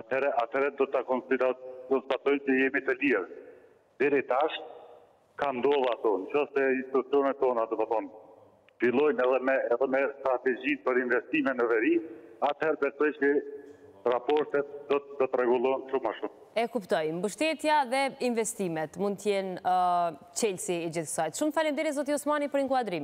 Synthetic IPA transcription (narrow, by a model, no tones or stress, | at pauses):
at̪hɛɾɛat̪ʰɛɾɛd̪ɔt̪akɔnid̪kɔnst̪at̪ɔjmt͡ʃəjɛmit̪əliɾ | d̪ɛɾit̪aʃt̪̚ | kand̪ɔðˠat̪ɔnkɔst̪ɛinst̪it̪ut͡siɔnɛt̪ːɔnad̪ɔt̪aθɔn | filˠɔjmɛðɛmɛɛðɛmɛst̪ɾat̪ɛd͡ʑinpəɾinvɛst̪imɛnəvɛɾiat̪hɛɾbɛsɔjt͡ʃə | rapɔɾt̪ɛt̪̚d̪ɔd̪ɔt̪ɾɛɡulˠɔɛnʃumaʃum | ɛkupt̪ɔjmbəʃt̪ɛt̪jaðɛinvɛst̪imɛt̪mund̪t̪jɛn | t͡ɕɛlsiɛd͡ʑiθsajt̪ʃumt̪θalind̪ɛɾizɔt̪iusmanipəɾiŋkwad̪ɾim